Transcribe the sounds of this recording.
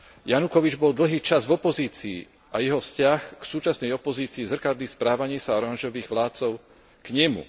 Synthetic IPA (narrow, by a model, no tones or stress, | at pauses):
janukɔʋid͡ʒbɔld̪l̩ɦiːt͡ʃazvɔpɔziːt͡sḭː | ʔajɛɦɔfscɪaxksuːt͡ʃasnɛjɔpɔziːt͡siːzr̩kaɾd̪ispɾaːʋaɲɪisaɔɾanʒɔʋiːɣʋlaːt̪̚t͡sɔʊ | kɲɛmṵ